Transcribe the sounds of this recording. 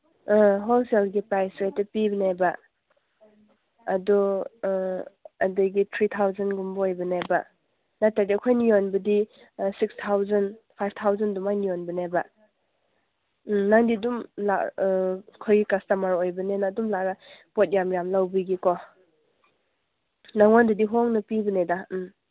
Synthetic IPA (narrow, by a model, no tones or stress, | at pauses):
ɦɔlselɡipajsɾajtɐpibanajba | dɔ | adajɡitʰɾitʰawzanɡumbɔojbɐnajba | natadikʰojnijɔnbɐdi | sikstʰawzanpʰajb̚ʰtʰawzandumajnijɔnbɐnajbɐ | naŋdidumla̰ | kʰɔjɡikastamaɾojbɐnenadumlaɾapɔt̚jamjamlawbiɡikɔ | naŋɔndudiɦɔŋnɐpibəneda